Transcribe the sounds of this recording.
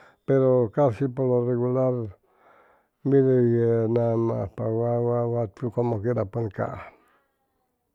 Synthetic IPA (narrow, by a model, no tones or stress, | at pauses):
peɾokasipoloreɣulaɾ | milejenama̰pawawawat̪ukomokeɾapənka̰